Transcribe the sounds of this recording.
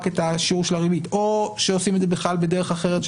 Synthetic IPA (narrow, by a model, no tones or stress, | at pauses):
ketaʃiuʃelaʁivitoʃeosimed̪zebeχlalbedeʁeχaχe̞ʁet